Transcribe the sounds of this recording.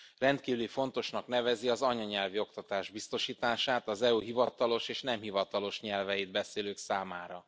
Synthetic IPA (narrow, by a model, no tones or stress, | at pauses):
rɛnt̪kiːvylifo̞n̪t̪o̞ʃnɒkn̪ɛvɛziɒzɒɲɒɲɛlvio̞k̚t̪ɒt̪aːʒbist̪o̞ʃiːt̪aːʃaːt̪ɒzɛuɦivɒt̪ɒlo̞ʃeːʃnɛmhivɒt̪ɒlo̞ʃɲɛlvɛjid̪̚bɛseːløːksaːmaːɾɒ